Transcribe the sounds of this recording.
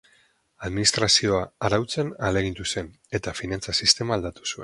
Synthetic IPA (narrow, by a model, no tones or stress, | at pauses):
aðminist̪ɾasio̞aaɾawt͡se̞nale̞ɣ̞int̪use̞n | e̞t̪afinant͡sasist̪e̞maːld̪at̪u̥sue̞n